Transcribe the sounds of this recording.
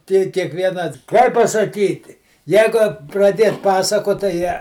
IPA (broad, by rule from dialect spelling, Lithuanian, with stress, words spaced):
ˈtʲiː kʲiɛkˈʋʲiɛnɐ ˈkɐɪp pɐsɐˈkʲiːtʲɪ ˈjɛɪɡʊ prɐˈdʲiɛt ˈpɑːsɐkoːt tɐɪ ˈjɛ